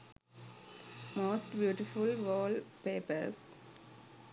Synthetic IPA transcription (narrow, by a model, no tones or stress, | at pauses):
moːsʈbjuːʈɪfʊlʋɔːlpeːpə̰s